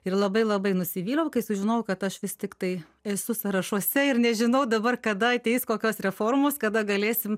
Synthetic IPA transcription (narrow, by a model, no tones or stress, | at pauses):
ɪrlˠɐbɐɪlˠɐbɐɪnʊsʲɪʋʲiːlʲˠɐʊkɐɪsʊʒʲɪnɐʊkɐt̪ɐʃʋʲɪst̪ʲɪkt̪ɐɪ | ɛsʊsɐɾɐʃuɔsʲɛɪrnʲɛʒʲɪnɐʊd̪ɐbɐrkɐd̪ɐɐtʲeɪskoːkʲoːsɾʲɛfoːrmoːskɐd̪ɐɡɐlʲeːsʲɪm